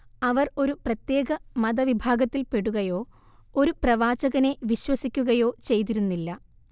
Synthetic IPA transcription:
ɐʋɐro̞ɾuprɐt̪je̞ːɣɐmɐðɐʋibʱaːɡɐt̪ːilpe̞ɽuɣɐjo̞ː | o̞ɾuprɐʋaːd͡ʑɐɣɐne̞ʋiɕwɐsikʲːuɣɐjo̞ːt͡ɕe̞jt̪̬iɾunːilːɐ

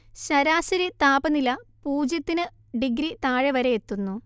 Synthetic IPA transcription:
ɕɐɾaːɕɐɾit̪aːbɐnilɐpuːd͡ʑjɐt̪ːinɨ | ɖiɡɾit̪aːɻeʋɐɾeet̪ːunːu

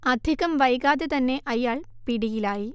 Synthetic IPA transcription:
ɐd̪ʱiɣɐmʋɐjɣaːðet̪ɐnːeʔɐjːaːɭpiɽijilaːji

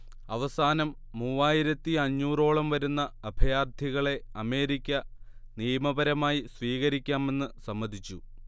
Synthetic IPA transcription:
ɐʋɐsaːnɐmːuʋaːjiɾɐt̪ːiɐɲːuːro̞ːɭɐmʋɐɾunːɐːbʱɐjaːrd̪ʱjiɣɐɭe̞ɐme̞ːɾikʲːɐnijɐmɐbɐɾɐmaːjisʋiːɣɐɾikʲːaːme̞nːɨsɐmːɐd̪ʱit͡ɕːu

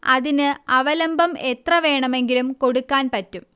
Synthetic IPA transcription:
ɐðinɨɐʋɐlɐmbʱɐmet̪rɐʋe̞ːɳɐme̞ŋɡilumko̞ɽukːaːnpɐtːum

